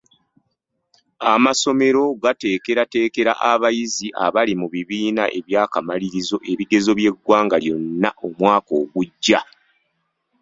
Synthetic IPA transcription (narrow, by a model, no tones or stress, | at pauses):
amaso̞me̞ɾo̞ɡate̞ːke̞ɾate̞ːke̞ɾa̰ʔaβajiziʔa̰βalimuβiβiːnaʔe̞βjaːkamaliɾizo̞ʔe̞βiɡe̞zo̞βje̞ɡwaːŋɡaljo̞nːaʔo̞mwaːko̞ːɡuɟːa